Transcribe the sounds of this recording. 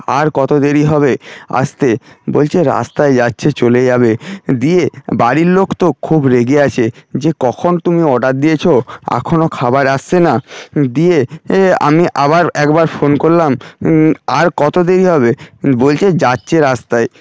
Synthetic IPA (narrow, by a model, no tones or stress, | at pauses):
a̰ɾkɔt̪od̪eɾiɦɔβea̰st̪ebolt͡ɕʰeɾa̰st̪aed͡ʑatːɕʰet͡ɕoled͡ʑabed̪iebaɾiɾlokʰt̪okʰubɾeɡeat͡ɕʰed͡ʑekɔkʰont̪umiɔɖat̪̚d̪ijet͡ɕʰoa̰kʰonokʰabaɾast͡ɕʰenad̪iea̰miʔaβaɾɛkbaɾfonkoɾlam | aɾkɔt̪od̪eɾiɦɔbebolt͡ɕʰed͡ʑatːɕʰeɾast̪ae